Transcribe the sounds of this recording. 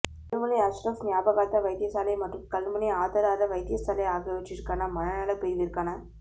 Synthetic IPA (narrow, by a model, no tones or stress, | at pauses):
kɐlmɐnɐɐʃɾɐfnɪjaːbɐɣaːt̪ːɐʋɐɪt̪ɪjɐsaːlɐɪmɐʈrɯmkɐlmɐniaːðɐɾaːɾɐʋɐɪt̪ɪjɐsaːlɐɪaːɣɐʋɛʈːɪɾɯkːaːnɐmɐnɐnɐlɐpɛɾʋɪɾɯkːaːnɐ